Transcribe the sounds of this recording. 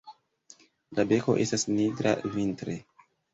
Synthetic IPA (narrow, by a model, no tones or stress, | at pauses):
labe̞ko̞ʔe̞stasniɡɾa̰vintɾe̞